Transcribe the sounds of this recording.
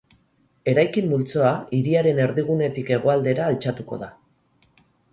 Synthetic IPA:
e̞ɾajkimːult͡so̞aiɾiaɾe̞ne̞ɾðiɣ̞une̞t̪ike̞ɣ̞o̞ald̪e̞ɾaːlt͡ʃat̪uko̞̰ð̞a

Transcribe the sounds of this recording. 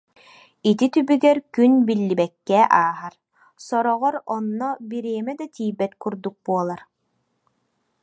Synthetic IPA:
it̪it̪ybyɡɛɾkynbilːibɛkːɛʔaːɦaɾ | sɔɾɔʁɔɾɔnːɔbiɾiɛmɛd̪at̪iːbɛt̪kuɾd̪uk̚buɔlˠaɾ

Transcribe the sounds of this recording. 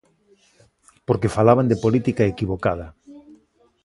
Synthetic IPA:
poɾkefalaβand̪epolit̪ikaekiβokað̞ɐ

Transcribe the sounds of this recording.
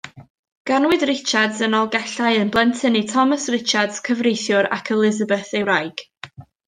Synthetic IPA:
ɡ̥anwɨdrɪt͡ʃadzənɔlˠɡɛɬaɨənblˠɛntʰənitʰɔməsrɪt͡ʃadskʰəvrejθjʊɾa̰kʰəlˠɪzəbəθewɾajɡ̥

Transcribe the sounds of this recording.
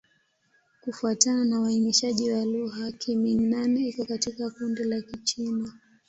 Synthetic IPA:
kufuatananawaimiʃaʄiwaluɣakʰiminanɛikɔkatikakundilakit͡ʃina

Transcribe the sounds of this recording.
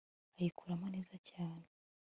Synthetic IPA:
ajikʰuɾamone̞ːzacaːne

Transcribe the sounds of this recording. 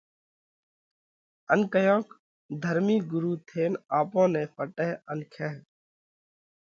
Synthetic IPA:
ənkəjõːk | d̪ʱəɾmiːɡʊɾuːt̪ʰeːnaːpõːnẽːpʰəʈeɦənkʰeːɦ

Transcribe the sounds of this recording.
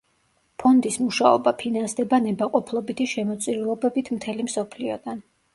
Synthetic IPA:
pʰɔnd̪ismuʃaɔ̰bapʰinansd̪ɛbanɛbaqʼɔpʰlˠɔbit̪ʰiʃɛmɔt̪sʼiɾlˠɔbɛbit̪ʰmt̪ʰɛlimsɔpʰliɔd̪an

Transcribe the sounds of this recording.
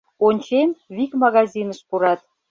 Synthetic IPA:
onʲt͡ɕenβikmɑɣɑzʲinəʃpuɾɑt̪̚

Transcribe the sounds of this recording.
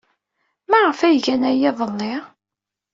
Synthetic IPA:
mæʁəfæjʝænæjæðˤəlːeʁ

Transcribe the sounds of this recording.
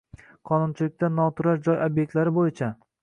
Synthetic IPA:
qʰɒnʊnt͡ʃʰɪlɪk̚ʲt̪anːɒt̪ʰʊɾaʃd͡ʒɒjobje̞k̚ʲt̪laɾɪbojɪt͡ʃʰa

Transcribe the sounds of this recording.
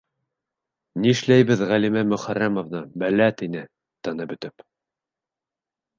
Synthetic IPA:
niɘʃlæjβɘðʁælimæmɵ̆χæɾæmovnɤbælæt̪inɘ | t̪ɤnɤbɵ̆t̪ɘp

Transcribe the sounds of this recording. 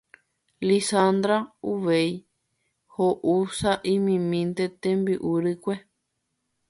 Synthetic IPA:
lisand̪ɾauʋej | hoʔusaʔĩmĩmĩnt̪et̪ẽmbɨʔuɾɨkʷe

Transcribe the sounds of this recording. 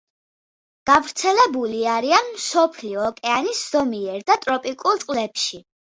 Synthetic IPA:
ɡ̥avɾt̪sʰɛlɛbuliaɾianmsɔpʰliɔːkʼɛanisz̥ɔmiɛɾd̪at̪ʼɾɔpʼikʼulˠt̪ʼqʼlɛpʃi

